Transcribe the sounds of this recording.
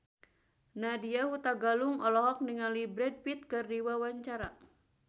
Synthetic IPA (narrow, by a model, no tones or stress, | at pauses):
nadiaɦut̪aɡaluŋɔlɔɦɔk̚niŋalibɾɛd̚pit̪̚kɨrdiwawaɲt͡ʃaɾa